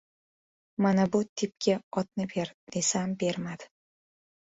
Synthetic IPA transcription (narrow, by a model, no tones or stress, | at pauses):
manabut̪ʰɪp̚kʲʰɪɒt̪̚nɪbe̞ɾd̪̥esambe̞ɾmad̪̥ɪ̥